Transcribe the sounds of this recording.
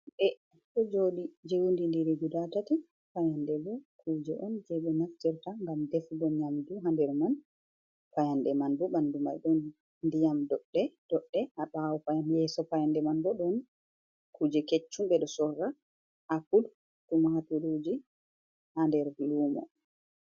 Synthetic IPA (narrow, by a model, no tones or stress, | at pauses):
bɛ | ɗɔd͡ʒoɗid͡ʒewundindiɾɛɡulatati | pajandɛbɔkʰuːd͡ʒɛʔɔnd͡ʒɛɓɛnaftiɾtaŋɡamdɛfubɔɲamduɦandɛɾman | pajandɛmanduɓanduma̰jɗɔn | ndijamdɔɗːɛd̥ɔɗːɛhaɓawɔpajanjɛsɔpajandɛmanbɔɗɔn | kʰud͡ʒɛket͡ʃːumɓɛɗɔsɔrːa | ʔakud | tumahatuɾud͡ʒi | handɛɾluːmɔ̰